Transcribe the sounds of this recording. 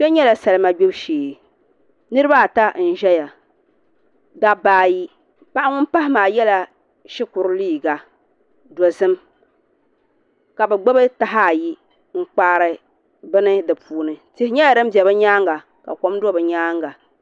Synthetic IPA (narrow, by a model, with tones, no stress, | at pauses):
bɛ˦ɲɛ˦la˨sa˨lɨ˦ma˦ɡ͡bɛ˦bʃeː˨ | nɨ˦ɾɨ˦ba˦˨ta˦n̩˦˨ʒɛ˦ja˨ | da˦baː˦ji˦ | pa˦ʔŋʊ˦npa˦ɦɪ˦maː˨jɛ˦la˨ | ʃɪ˦kʊ˨ɾɨ˦liː˦˨ɡa˨ | dɔ˨zɨ˦m | ka˨bɨ˨ɡ͡bɛ˦bɨ˦ta˦ɦa˦˨ji˦ | ŋ̩˦k͡paː˦ɾɨ˦ | bɨ˦nɨ˦dɨ˨pʰuː˨˦nɨ˨tɪ˦hɪ˦ɲɛ˦ja˨dɨ˦m˦bjɛ˨bɨ˦ɲaː˦ŋɡa˨ | ka̰˨kɔ˦m˦dɔ˦bɨ˨ɲaː˦ŋɡa˨